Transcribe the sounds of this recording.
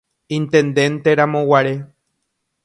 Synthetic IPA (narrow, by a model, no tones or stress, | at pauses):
ĩnt̪ẽ̞nd̪ẽ̞nt̪eɾamõwaɾe̞